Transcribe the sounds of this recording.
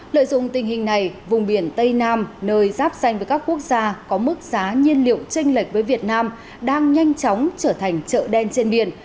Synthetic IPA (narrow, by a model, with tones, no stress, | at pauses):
lə̰˧˨jzʊ̰˧˨ŋ͡mt̪ï˨˩ŋ̟ɦï˨˩ŋ̟na˨˩jvʊ˨˩ŋ͡mɓi˧˩ənt̪ə˧jnaː˧mnəː˧jzaː˦˥p̚sa˧jŋ̟vəː˨˦jkaː˦˥ku˦˥ək̚zaː˧kɔ˨˦mɨ˦˥k̚zaː˨˦ɲi˧ənlḭ˧˨əwt͡ɕï˧ŋ̟lï˨˩k̟̚vəː˨˦jvi˨˩ət̚naː˧m | ɗaː˧ŋɲa˧jŋ̟t͡ɕɔ˨˦wŋ͡mt͡ɕəː˧˩t̪ʰa˨˩ŋ̟t͡ɕə̰ː˧˨ɗɛ˧nt͡ɕe˧nɓḭ˧˩ən